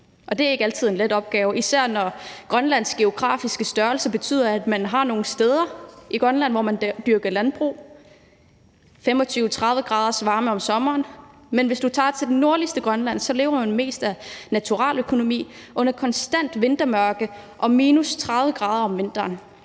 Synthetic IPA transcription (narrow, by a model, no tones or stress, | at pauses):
ʔɒ̽d̥e̝æɐe̝ɡ̥ælt͡sʰið̰ˠenledɒ̽b̥̚ɡ̥ɛːʊisæɐ̰nɒɡ̥ʁɶnlæn̰sɡ̥e̝o̝ɡ̥ʁɑ̰̈ːfisɡ̥əsd̥ɶɐlsɐb̥e̝t͡sʰy̰ð̰ˠɐæd̥mænɦɑ̈no̝ːn̩sd̥eð̞ˠɐiɡ̥ʁɶnlæn̰ʋɒmænd̥yɐɡ̥ɐlænb̥ʁṵː | fem̰ɒ̽t͡sʰyːʊət͡sʰʁɑ̈ðˠʋəɡ̥ʁɑ̈ːð̞ˠɐsʋɑ̈ːməɒ̽msɒ̽mɐːn | menʋe̝sd̥ut͡sʰɑ̰̈t͡sʰe̝d̥enːo̝ɐ̰lisd̥əɡ̥ʁɶnlæn̰sɒ̽le̝ːʊɐmænme̝̰ːsd̥ænæt͡sʰuʁɑ̰̈ːløkʰo̝no̝mḭːʔɔ̽n̰ɐkʰɒ̽nsd̥æn̰d̥ʋe̝nd̥ɐmɶɐɡ̥ə | ʔɒ̽miːnust͡sʰʁɑ̈ðˠʋəɡ̥ʁɑ̈ːðˠɐɒ̽mʋe̝n̰d̥ɐːn